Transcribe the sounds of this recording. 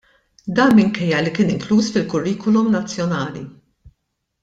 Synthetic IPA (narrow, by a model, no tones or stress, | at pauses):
d̪ɐːmɪŋkɛjːɐlikɪːnɪŋkluːsfɪlkʊrːiːkɔlumnɐt͡sːjɔnɐːlḭ